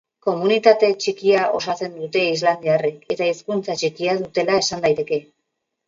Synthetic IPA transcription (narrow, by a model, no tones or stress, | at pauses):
ko̞munit̪at̪e̞t͡ʃikiao̞̰sase̞nd̪ut̪e̞izland̪iareke̞t̪aiskunt͡sat͡ʃikiaðut̪e̞lae̞sand̪ajt̪e̞ke̞